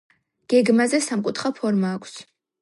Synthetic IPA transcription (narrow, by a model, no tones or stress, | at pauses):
ɡ̥ɛɡmazɛsamkʼut̪ʰχapʰɔɾmaːkʷʰs